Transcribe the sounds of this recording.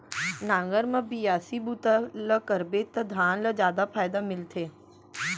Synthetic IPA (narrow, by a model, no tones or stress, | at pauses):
nãːŋɡəɾmɐ̃bijaːsibut̪aləkəɾbeːt̪ːɐd̪ʱaːnləzjaːd̪apʰaːjd̪amɪlt̪ʰeː